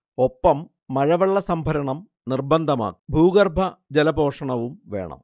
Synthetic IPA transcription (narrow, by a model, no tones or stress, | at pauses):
o̞pːɐmː | ɐɻɐʋɐɭːɐsɐmbʱɐɾɐɳɐm | nirbɐnd̪ʱɐma̰ːkbʱuːɡɐrbʱɐd͡ʑelɐbʱo̞ːʂɐɳɐʋumʋe̞̰ːɳɐ̰m